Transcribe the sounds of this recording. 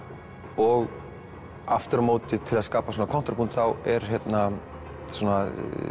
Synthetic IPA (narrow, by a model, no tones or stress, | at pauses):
ɔɣ | aft̪ʏɾmoːwt̪ɪt̪ʰɪlaðskaːpasɔnakʰɔn̥t̪ɾapʰunt̪θawɛɾ̥çjɛt̪na | sɔna